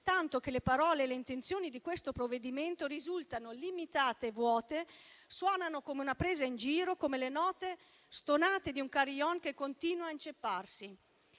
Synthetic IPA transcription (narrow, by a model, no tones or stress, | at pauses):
t̪ant̪ok̟elepaɾɔːleːleint̪ent̪sjoːnid̪ikwest̪opɾovːed̪iment̪oɾizult̪anolimit̪aːt̪eːvːwɔːt̪eswɔːnanokomeunapɾeːzaind͡ʒiːɾokomelenɔːt̪e | st̪onaːt̪ed̪iuŋkaɾjɔnkekːont̪iːnwaint͡ʃepːarsi